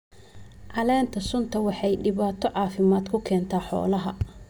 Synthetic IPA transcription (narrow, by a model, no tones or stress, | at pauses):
ʕɑlɛːnt̪ʰɐsʊnt̪ʰɐwɑħɑjɖɪβaːt̪ʰɔʕɑːfɪmaːd̪kʰʊkʰɛːnt̪ʰaːħɔ̰ːlɐɦɐ